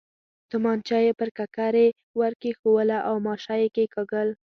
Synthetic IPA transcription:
t̪ʊmɑnt͡ʃɑjepəɾkakaɾe | waɾkexowəlaʔawmɑʃɑjekekaɡəl

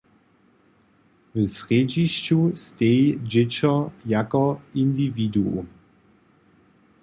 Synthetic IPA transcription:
vəsʁed͡ʒiʃt͡ʃustejd͡ʒɪt͡ʃɔjakɔindividuum

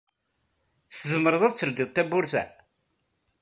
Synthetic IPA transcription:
θθəzəmːəɾˤəðˤæðt͡sːəld̪iðˤt̪ːæbʊɾθæ̰

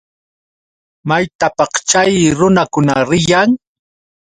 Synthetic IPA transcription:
majt̪apɑχt͡ʃajɾʊnakʊnaɾɪjaŋ

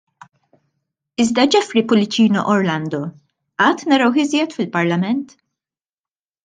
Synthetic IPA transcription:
ɪzd̪ɐd͡ʒɛfɾipʊlɪt͡ʃiːnɔʔɔɾlɐnd̪ɔ | ɐːt̪ːnɐɾɐwħɪzjɛt̪fɪlpɐɾlɐmɛnt̪

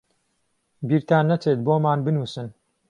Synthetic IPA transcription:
biːɾt̪aːnːɐt͡ʃeːt̪̚boːmaːnbɨnuːsɨn

